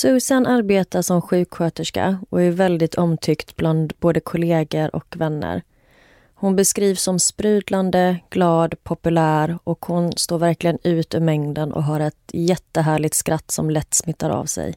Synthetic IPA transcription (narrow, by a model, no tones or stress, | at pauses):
sɵːsanʔaɾbeːt̪aʂɔmɧʉ̟ːkɧøːt̪əʂka̰ɔæɾvɛld̪ɪt̪ʰɔmt̪ʰʏkt̪bland̪boːd̪əkʰʊleːɡəɾʔɔ̰kvɛnːə̰ɾ | hʊnbɛskɾiːvsɔmspɾʉ̟ːd̪land̪əɡ̥lɑːd̪pʰɔpɵlæːɾɔkhʊnst̪oːɾvæɾklɪɡənʉ̟ːt̪ɵmɛŋd̪ənʔɔ̰ɦaɾɛt̪jɛt̪ːəɦæːɭɪt̪skɾʔat̪ːsɔmlɛt̪ːsmɪt̪ːaɾa̰vsɛ̰j